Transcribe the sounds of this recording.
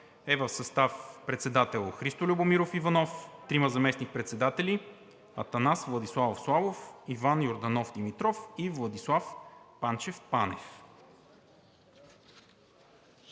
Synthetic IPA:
ɛvəfsɐst̪afpɾɛt̪sɛd̪at̪ɛlˠxɾist̪olʲubomiɾofivɐnɔft̪ɾimɐzɐmɛsnik̚pɾɛt̪sɛd̪at̪ɛli | ɐt̪ɐnasvlˠɐd̪islˠavofslˠavofivanjoɾd̪ɐnɔfd̪imit̪ɾɔfivlˠɐd̪islˠafpant͡ʃɛfpanɛf

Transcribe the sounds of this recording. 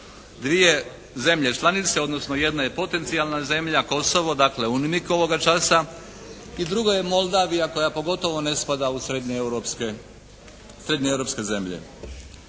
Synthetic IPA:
d̪ʋije̞ | ze̞mʎe̞t͡ʃlˠanit̪se̞o̞d̪no̞sno̞je̞d̪naje̞po̞t̪e̞nt̪sialnaze̞mʎako̞so̞ʋo̞d̪akle̞unimiko̞ʋo̞ɡat͡ʃasa | id̪ɾuɡoje̞mo̞lˠd̪aːʋijako̞japo̞ɡo̞t̪o̞ʋo̞ne̞spad̪ausek | sɾe̞d̪ɲeevɾo̞pske̞ze̞mʎḛ

